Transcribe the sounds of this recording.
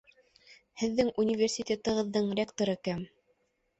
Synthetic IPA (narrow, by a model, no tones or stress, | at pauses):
hɘ̆ðːɘŋunʲivʲersʲit̪ʲet̪ɤ̆ʁɤ̆ðːɤɴrʲekt̪oɾɤkæm